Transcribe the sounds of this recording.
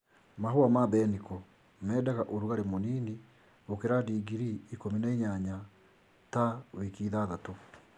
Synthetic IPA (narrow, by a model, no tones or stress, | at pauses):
maɦoamabɛnikɔ | mɛːdaɣaʔoɾuɣaɾemoniːni | okeɾadiːɡiɾiːkominaiɲaɲa | tawekiːðaðato